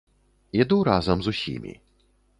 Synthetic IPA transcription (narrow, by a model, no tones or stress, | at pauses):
ɛd̪uɾazɐmzusʲḭmʲḭ